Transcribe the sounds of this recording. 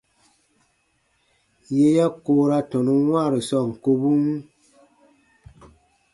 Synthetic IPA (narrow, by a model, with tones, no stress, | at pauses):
je˦ja˦ko˦ɾa˦tɔ˨nu˦wwã˦˨ɾi˨sɔ˦˨ŋ̩˨ko˦bu˦mu˦